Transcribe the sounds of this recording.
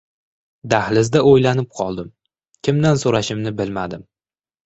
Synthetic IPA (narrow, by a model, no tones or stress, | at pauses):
d̪ahlɪzd̪aojlanɪp̚qʰɒlˠd̪ɪm | kʲʰɪmd̪ansoɾaʃɪmnɪbɪlmad̪ɪm